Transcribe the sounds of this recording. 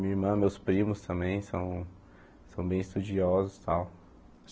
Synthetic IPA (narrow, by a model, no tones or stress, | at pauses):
mĩɐiɾmɐ̃mewspɾĩmʊst̪ɐ̃mbẽj̃sɐ̃w̃ | sɐ̃w̃bẽj̃ɪst̪ud͡ʒiɔzʊst̪aw